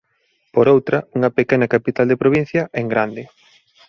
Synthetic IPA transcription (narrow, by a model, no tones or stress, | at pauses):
poɾowt̪ɾɐuŋɐpekɛnɐkapit̪ald̪epɾoβ̞in̟θjɐʔeŋɡɾand̪ɪ